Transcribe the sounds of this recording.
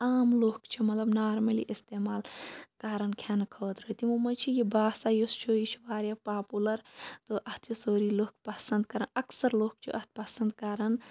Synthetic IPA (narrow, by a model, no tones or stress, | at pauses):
aːmloːkt͡ʃʰimɐt̪lɐbnaːɾmɐlḭʔist̪eːmaːlkaːɾɐnkʰjaːnkʰoːt̪ɾəɦit̪imumɐt͡ʃʰijibaːsaːjost͡ʃʰojit͡ʃʰʋaːɾjapaːpulɐɾt̪oʔɐht̪ʰisoːɾiloːkpɐsɐ̃nd̪kɐɾɐnɐksɐɾloːk̚t͡ʃʰḭʔɐht̪̚ʰpɐsɐnd̪kaːɾɐn